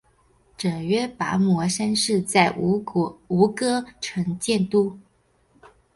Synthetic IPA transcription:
ʈ͡ʂɤ˨˩ŋɥɛ˥pa̰˧˥mwɔ˧˥ʂa˥nʂɻ̩˥˧t͡sa˥˩ɪ | u˧˥kɤ˥ʈ͡ʂʰɤ˧˥ŋt͡ɕjɛ˥˧nt̪u˥˩

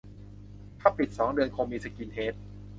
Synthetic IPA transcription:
kʰa˦˥pʰːi˨˩t̪̚sɔː˩˦ŋdɯ˧ənkʰo˧miː˧sa˧ki˧ntʰeː˦˥t̪̚

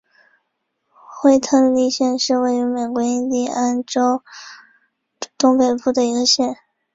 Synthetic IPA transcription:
xwe˥˧ɪt̪ʰɤ˥˧li˥˧ɕjɛ˥˧nʂɻ̩˥˧we˥˩ɪy˧˥me˨˩ɪkwɔ˧˥i˥nt̪i˥˩a˥nʈ͡ʂo˥ʊ | t̪ʊ˥ŋpe˨˩ɪpu˥˩d̪ə˩i˧˥ɡə˧ɕjɛ˥˩n

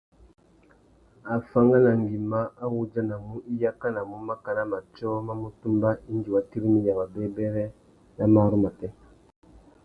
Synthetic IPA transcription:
a˨fa˦ŋɡa˦na˨ŋɡi˨ma˦a˦wu˦d͡ʒa˦na˨mu˦ʔi˦ja˦ka˦na˨mu˦ma˦ka˨na˦ma˨t͡ʃɔ˦ma˦mu˦tu˦mba˦i˦n˦d͡ʒi˨wa˨ti˦ɾi˦mi˦ja˨ma˨bɛ˦bɛ˦ɾɛ˦ | na˦ma˦ɾu˦ma˨tɛ˦

